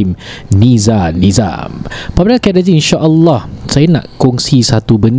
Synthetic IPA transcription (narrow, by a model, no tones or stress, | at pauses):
imnĩzanĩza̰pabənãkɛdaziinʃaʔəlːɔhsajanã̰ʔkɔŋsisat̪ubən